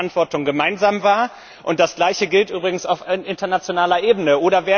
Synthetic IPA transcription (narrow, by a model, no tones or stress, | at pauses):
antv̥ɔɐtʊŋɡəmaɪnzaːmvaːɐ | ʔʊnt̚d̥asɡ̥laɪçəɡɪltʔyːbʁɪɡŋ̩saʊfʔɪntɐnat͡sjonaːlɐʔeːbn̩əʔoːɾɐveː